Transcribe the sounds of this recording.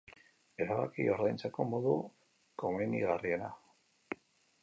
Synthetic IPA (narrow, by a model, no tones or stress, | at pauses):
e̞ɾaβakḭo̞ɾðajnt͡sako̞mo̞ðu | ko̞meniɣarie̞na